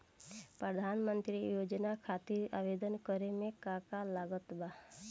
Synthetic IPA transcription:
pɾəd̪ʱanmə̃nt̪ɾijoːd͡ʒnakʰat̪iɾa̰ʋed̪ənkəɾemẽkakalaɡət̪ba

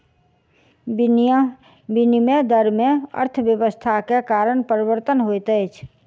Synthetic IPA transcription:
b | binimed̪əɾmẽə̰ɾt̪ʰəbjəwəst̪ʰakekaɾəɳpəɾibəɾt̪ənɦojt̪ət͡ʃʰ

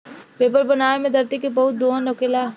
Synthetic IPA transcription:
peːpəɾbənaːemẽd̪ɐɾt̪ikebɐɦʊt̪̚d̪oːnokɪlaː

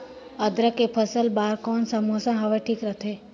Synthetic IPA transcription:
əd̪ɾəkepʰəsəlbaːɾkɔːnsəmoːsãɦɐʋeʈʰiːkɾət̪ʰeː

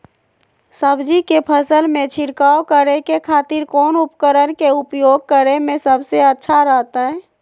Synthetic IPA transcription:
səbd͡ʒikepʰəsəlmẽt͡ʃʰɪɾkaːokəɾekekʰaːt̪ɪɾkɔːnʊpkəɾənkeʊpjoːɡ̚kəɾemẽsəbseətːʃʰaɾəɦt̪aɦɛː

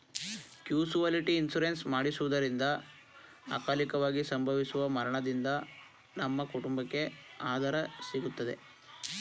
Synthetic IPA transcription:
kjuːsuʋaːliʈiːnsuɾensmaːɽisuʋud̪ɐɾind̪ɐ | a̰ːkaːlikɐʋaːɡisɐmbʱɐʋisuʋɐmɐɾɐɳɐd̪ind̪ɐ | nɐmːɐkuʈumbɐkːe̞aːd̪ɐɾɐsiɡut̪ːɐd̪e̞̰

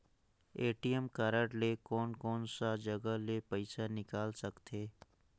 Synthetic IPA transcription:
eːʈijəmkaːɾəʈlekɔːnkɔːnsad͡ʒəɡəlepəɪsanɪkaːlsəkt̪ʰeː

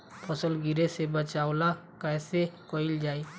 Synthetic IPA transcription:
pʰɔsəlɡɪɾesebət͡ʃaːʊlakɛːsekoːɪld͡ʒaːi

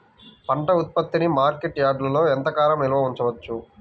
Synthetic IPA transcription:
pɐɳʈɐut̪̚pɐt̪ːinimaːɾkeʈjaːɖlɐlo̞ːɛnt̪ɐkaːlɐmilɐʋɐuɲt͡ʃɐʋɐt͡ʃːu

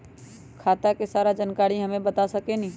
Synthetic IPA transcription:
kʰaːt̪akesaːɾad͡ʒənkaːɾiɦəmẽbət̪asəkenĩ

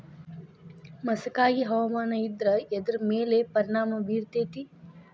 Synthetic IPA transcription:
mɐsɐkaːɡiɦɐʋɐmaːnɐid̪ɾɐed̪ɐɾɐmeːlepɐɾiɳaːmɐbiːɾt̪eːt̪i

